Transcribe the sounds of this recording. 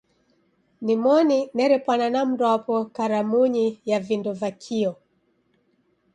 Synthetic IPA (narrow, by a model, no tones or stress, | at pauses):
nimɔninɛɾɛpananam̩dɔpɔkaɾamuɲijavindɔvakʰiɔ